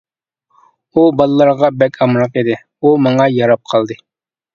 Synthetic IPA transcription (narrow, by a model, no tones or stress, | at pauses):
ubɑlˠːɑɾʁɑbɛkʰʲɑmɾɑqed̪ɪ | umɑŋɑjɑɾɑp̚qʰɑlˠd̪ɨ